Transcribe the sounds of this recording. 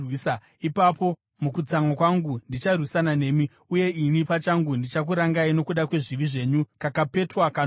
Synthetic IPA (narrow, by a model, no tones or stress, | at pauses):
wisa | ipapo̞ | mukud͡zamwakwaŋɡundit͡ʃarwisanane̞ːmi | uje̞inipat͡ʃaŋɡundit͡ʃak̬uɾaŋɡaino̞kuɗakwe̞ʐiʋiʐe̞ːɲukakape̞twakan